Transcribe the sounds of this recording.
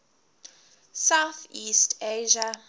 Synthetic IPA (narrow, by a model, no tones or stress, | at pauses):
sawθistʰeʒa